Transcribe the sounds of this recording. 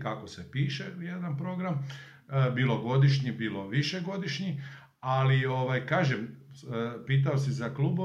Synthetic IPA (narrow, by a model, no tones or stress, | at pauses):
kakosepiːʃejed̪anpɾo̞ɡɾam | bilˠo̞ɡo̞d̪iʃɲibiːlo̞ʋiʃeɡo̞d̪iʃɲi | alio̞ʋajkaːʒem | piːt̪̬aosizakluːbo